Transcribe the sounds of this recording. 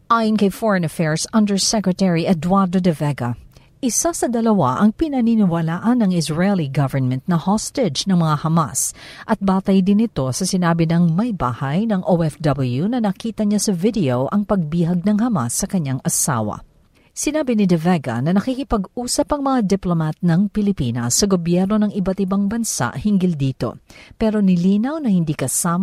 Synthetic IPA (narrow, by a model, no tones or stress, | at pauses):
ʔaːjonkɐjfɔɹɐ̃nɐfɛɹsɐ̃nd̪ɛɹsɛkɹɛt̪ɛɹiʔɛd̪waɾd̪od̪ɛvɛɡɐ | ʔɪsasɐd̪ɐlɐwa̰ʔɐŋpɪnɐninɪwɐlaːʔɐnːɐŋɪsɹɛliɡɐvə˞nmɛnt̪̚nɐhɔst̪ɛd͡ʒnɐŋmɐŋahɐma̰sʔɐt̪̚baːt̪ɐjd̪ɪnɪt̪o̞sɐsɪnaːbɪnɐŋmɐjba̰ːhɐjnɐŋʔowɛfd̪ɐbɐljunɐnɐkiːt̪ɐɲasɐvɪd̪ɛowʔɐŋpɐɡ̚biɦɐɡ̚nɐŋɦɐmasːɐkɐɲaŋʔɐsa̰ːwɐ̰ | sɪnaːbɪnɪd̪ɛvɛɡɐ̰nɐnɐkiːkɪpɐɡuːsɐpɐŋmɐŋad̪ɛplomat̪nɐŋpɪlɪpiːnɐsːɐɡobjɛɾno̞nɐŋɪbat̪ɪbaŋbɐnsa̰ʔhɪŋɡɪld̪iːt̪o̞̰pɛɾo̞nɪliːnɐwnɐhɪnd̪iːkɐsaːm